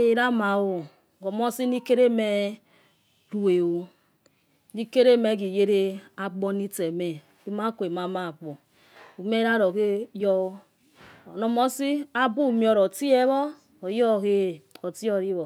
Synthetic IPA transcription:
e˨ɾa˦ma˨wo˨ | ko˨mo˦si˦ni˦ke˦ɾe˦me˦ | ɾu˨e˨wo˦ | ni˦ke˦ɾe˦me˦ɡi˨je˦ɾe˦a˨ɡ͡bo˦ni˦te˨me˨ | i˦ma˦ko˨e˨ma˨ma˦˨ɡ͡bo˨ | u˨me˦ɾa˦ɾo˨ke˦jo˦˨ | no˨mo˦si˦a˦bu˦˨mi˦o˨ɾo˨ti˦e˦βɔ˦ | o˨jo˦˨ke˦˨o˨ti˦o˨ɾi˦βo˨

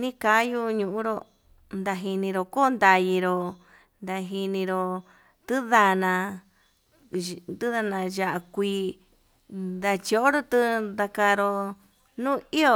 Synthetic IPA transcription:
nĩ˦ka˧˦ju˧ɲũ˧˨ʔũ˧˦ɾo˧ | nd̪a˧ɦi˧nĩ˧ɾo˧ko˦˧nd̪a˧ji˧ɾo˧ | nd̪a˧ɦi˧nĩ˧ɾo˧ | t̪ɨ˦ða˧nã˧ | t̪ɨ˦ða˧nã˧ʒa˧˨ʔa˧kʷiː˧ | d̪a˧t͡ʃi˧o˧˨ʔo˦ɾo˦t̪ɨ˧nd̪a˧ka˧ɾo˧ | nũː˦i˦o˧

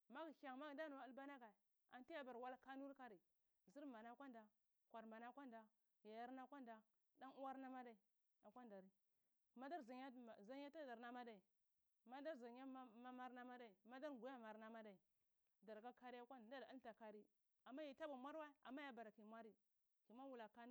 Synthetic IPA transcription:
ma˦ɡka˨ŋ˨ma˦ɡda˦nu˨a˨˦lba˦na˦ɡa˨ | a̰˨nti˦ja˦ba˨ɾwa˦la˦ka˦nu˦ɾka˦ɾi˨ | zi˦ɾma˨na˦kʷa˦nda˨ | kʷa˨ɾma˨na˦kʷa˦nda˨ | ja˨ja˦ɾna˦kʷa˦nda˨ | da˦nu˦wa˦ɾna˦ma˦da˦i˨ | a˨kʷa˦nda˨ɾi˦ | ma˦da˦ɾza˨a˦˨za˦ɲ˦a˦ta˦da˨ɾna˨˦ma˦da˨i˨ | ma˦da˦ɾza˨ɲ˦a˦ma˦ma˦ɾna˦ma˦da˦i˨ma˦da˦ɾɡu˨ja˦ma˨ɾna˦ma˦da˨i˨ | da˨ɾɡa˦ka˦ɾi˦a˦kʷa˦n˨da˦da˦lta˨ka˦ɾi˦ | a˨mːa˦ji˨ta˦ba˨mʷa˦ɾwa˦i˦a̰˨mːa˦ja˨ba˨ɾa˨ki˨mʷa˦ɾi˦ | ki˨ma˦wu˨la˨ka˦n˦

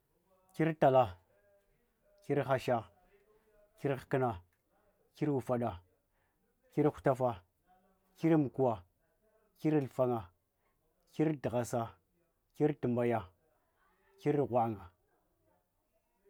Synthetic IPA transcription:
ki˦ɾta˨la˨ | ki˦ɾxa˦ʃa˦ | ki˦ɾkə˦na˨ | ki˦ɾwu˨fa˨ɗa˨ | ki˦ɾxu̥˦˨ta˦fa˦ | ki˦ɾmu˨ku˦wa˨ | ki˦ɾlfa˦ŋa˨ | ki˦ɾdi˨ɣa˨sa˨ | ki˦ɾtə˨mba˨ja˨ | ki˦ɾɣʷa˨ŋa˨

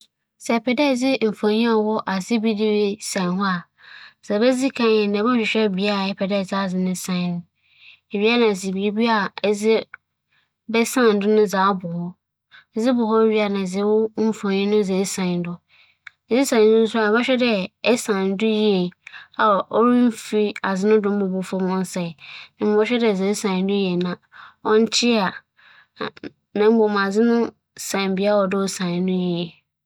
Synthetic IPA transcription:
sɛ˨pʰɛ˨dɛ˦˨d͡zɪ˦m̩˨fã˨ɲĩ˦a˨wɔ˦ʔa˨sɪ˦bi˦dɪ˦we˦sã˨n˨ɦɔ˦a˨ | sɛ˨bɛ˦d͡zi˦kʰã˨ɛ̃˨nã˨bɔ˦ɕᶣɪ˨ɕᶣɛ˦˨bi˨a˦˨ɛ˨pʰɛ˨dɛ˦˨za˦˨d͡zɪ˦nʊ̃˦sã˨˦nʊ̃˦ | e˨ɥi˦a˦nã˨sɪ˨bi˨e˦bi˦a˦˨ɛ˦d͡zɪ˦ | bɛ˦sã˦˨n̩˨dʊ˦nʊ̃˦d͡zaː˨˦bʊ˨hɔ˦˨˦ | d͡zɪ˦bʊ˨hɔ˦e˦ɥi˦a˨nã˨d͡zɪ˦wʊ˦m̩˨fã˨ɲĩ˦nʊ̃˦˨d͡zɛ˨˦sã˨n˦dʊ˦˨ | zɪ˦sã˨ñ˨˦nʊ̃˦n̩˦sʊ˦a˦˨bɔ˦ɕᶣɛ˦dɛ˦ɛ˦sã˨n˦dʊ˦ji˦e˨a˨ʔɔ˦ɾi˦m̩˦fi˦a˨zɪ˦nʊ̃˦dʊ̃˦m̩˦bʊ˨bʊ˨fɔ˦mɔ̃˦n̩˦sɛ˨nã˨m˨bɔ˦ɕᶣɛ˦dɛ˨ze˨˦sã˨˦dʊ̃˦jɛ˨nã˨ | ɔ˦n̩˦t͡ɕʰɪ˦a˨ | nã˨m̩˦bo˨m˨a˨zɪ˦nʊ̃˦ | sã˨m˨bi˨˦a˦ɔ˨dʊ˦sã˨n˨˦nʊ̃˦ji˨˦e˨

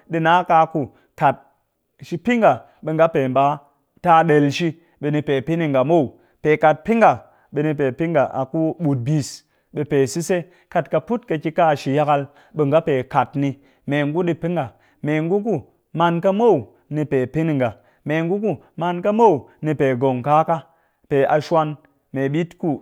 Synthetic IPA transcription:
ɗi˨na˨˦ka˧ku˨ | ka˨t̚ | ʃi˧pi˦ŋɡa˨ | ɓe˨ŋɡa˦pe˨mba˨˦ | ta˧ɗe˨lʃi˧ | ɓe˨ni˧pe˨pi˦ni˨ŋ˨ɡa˨mo˦˨u˨ | pe˨ka˨t̚pi˦ŋɡa˨ | ɓe˨ni˧p̬e˨pi˦ŋɡa˨ʔa̰˨ku˦ɓu˨t̚bi˨s | ɓe˨pe˨si˦se˦ | ka˨tka˧pu˦tka˧ki˧ka˦˨ʃi˨ja˦ka˧l | ɓe˨ŋɡa˦pe˨ka˨tni˧ | me˨ŋɡu˦ɗi˦pi˦ŋɡa˨ | me˨ŋɡu˦k̬u˦ | ma˧nka˦mo˦˨w | ni˧pe˨pi˦ni˨ŋɡa˨ | me˨ŋɡu˦k̬u˦ | ma˧nka˦mo˦wni˧pe˨ɡo˨ŋka˦ka˦ | pe˨ʔa˨ʃʷwa˧n | me˨ɓi˦tku˦

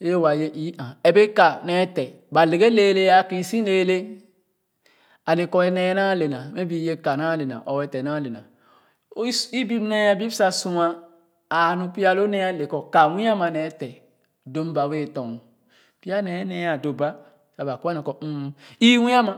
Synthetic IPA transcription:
e˦wa˨je˦ʔi˨˦ʔã˨ɛ˨be˦ka˨nɛ˨˦tɛ˨ | ba˨le˨ɡe˦le˨˦le˦a˨ki˨˦sĩ˦le˨˦le˦ | a˨le˨kɔ˦ɛ˨nɛ˨˦na˦˨le˨na˨me˦bi˨˦je˦ka˨na˦le˨na̰˨ʔɔ˨wɛ˨tɛ˨na˦le˨na̰˨˦ | i˦bi˦m˦nɛ˦a˨bi˦sa˨sũ˦aː˦˨ | nũ˨˦pi˦a˦lo˦nɛ˦a˦le˨kɔ˨ka˨wĩ˦a˦ma˨nɛ˨˦tɛ˨ | do˨˦m˦ba˨we˦˨tɔ˨ŋ˨ | pi˦a˦nɛ˨˦nɛ˨˦ja˨do˨ba˦ | sa˨ba˨ka˦nɛ˨kɔ˨u˦˨i˦wĩ˦a˦ma˨

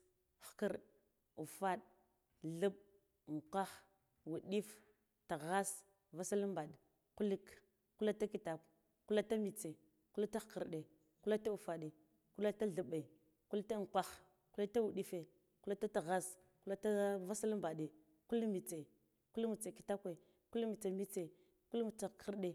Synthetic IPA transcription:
xkə˦ɾɗ | u˨fa˦ɗ | ɮu˦ɓ̚ | ŋ̩˨kʷa˦x | wu˨ɗi˦f | ta˨ɣa˦s | va˦sa˦lmba˨ɗ | ku˦li˦k | ku˦la˦ta˦ki˨ta˨ | kla˦ta˦mi˨t͡se˨ | ku˦la˦ta˦xkə˨ɾɗe˨ | ku˦la˦ta˦u˨fa˨ɗe˨ | ku˦la˦ta˦ɮə˨ɓa˨ | ku˦lta˦ŋ˨kʷa˦x | ku˦la˦ta˦wu˨ɗi˦fe˨ | ku˦la˦ta˦ta˨ɣa˦s | ku˦la˦ta˦va˦sa˦lmba˨ɗe˨ | ku˦lmi˨t͡se˨ | ku˦lmu˨t͡sa˨ki˨ta˦kʷe˨ | ku˦lmi˨t͡sa˨mi˦t͡se˨ | ku˦lm˨t͡sa˨ki˦ɾɗe˨

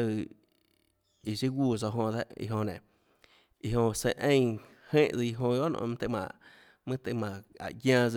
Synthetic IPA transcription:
ə˧˨ | i˧˨si˦ɡʷuː˧˨zo˧ɦõ˧d̪a˦ʔḭ˧ɦõ˧˨nẽ˨ | i˧˨ɦõ˧se˧ʔẽ˦˨ | hẽː˦˨ʔd͡zə˧i˧ɦõ˧jo˦ʔnõ̰˧m̃˦t̪e˧mã̰˧˨ʔ | mɨ̃˦t̪e˧˨mã˨a̰˨ɡjãː˧d͡z

